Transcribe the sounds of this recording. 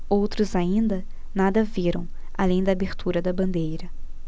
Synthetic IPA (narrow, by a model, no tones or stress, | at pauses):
owt̪ɾʊzaĩnd̪ɐ | nad̪ɐviɾɐ̃w̃ | a̰lẽj̃d̪ɐːbeɾt̪ʰuɾɐd̪ɐbɐ̃nd̪ejɾɐ